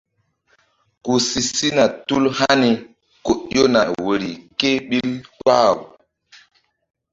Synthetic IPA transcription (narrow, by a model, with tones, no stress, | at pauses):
ku˨si˨si˦na˨tu˦lha˦ni˨ | ko˨ʔjo˦na˨wo˨ɾi˨ke˦ɓi˦lka̰˦˨w